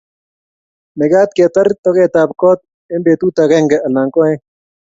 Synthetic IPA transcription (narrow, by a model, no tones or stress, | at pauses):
meɡaːt̪̚keːt̪ɐɾt̪oɣeːt̪aːb̚koːt̪̚ | embeːt̪uːt̪ɐɣeŋɡeʔɐlaːŋkoːẽ